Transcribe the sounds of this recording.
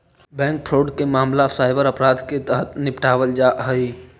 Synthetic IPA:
bɛ̃ːŋk̚pʰɾoːɖkemaːmlasaːɪbəɾəpɾaːd̪ket̪əɦət̪nɪpʈʰaːʋəld͡ʒaːɦəi

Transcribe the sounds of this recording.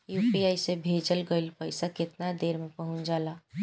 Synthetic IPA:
juːpiaːisebʱeːd͡ʒəlɡəɪlpəɪsakɪt̪nad̪eːɾmẽpəɦʊ̃t͡ʃd͡ʒaːla

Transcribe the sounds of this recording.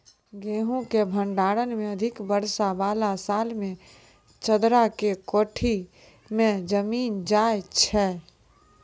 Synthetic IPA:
ɡeːɦũkebʱə̃ɳɖaːɽənmẽəd̪ʱɪkbəɾsabaːlasaːlmẽ | t͡ʃəd̪ɾakekoːʈʰi | mẽd͡ʒəmiːnd͡ʒaːjt͡ʃʰɛː

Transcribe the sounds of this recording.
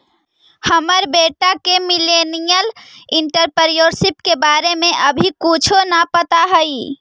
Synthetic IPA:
həməɾbeʈakemilenijəliɳʈəɾpəɾijoɾsipkebaɾemeʔəbʱikut͡ʃʰonapət̪aɦəj

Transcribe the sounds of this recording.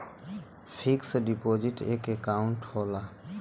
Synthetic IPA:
pʰiksɖipoːd͡ʒɪʈḛːkekaːʊ̃ɳʈhoːla

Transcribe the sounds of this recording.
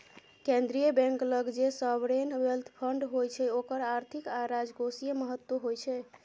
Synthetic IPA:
kẽnd̪ɾijəbɛ̃ŋkləɡd͡ʒesəbɾenwelt̪ʰpʰəɳɖɦojt͡ʃʰɛokəɾaɾt̪ʰikaɾad͡ʒɡosijeməɦət̪woɦojt͡ʃʰɛ

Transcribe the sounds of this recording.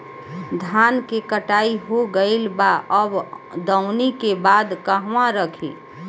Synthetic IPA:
d̪ʱankekəʈaiɦoɡəɪlbaʔəbd̪əʊnikebad̪kəɦʋãɾəkʰḭ

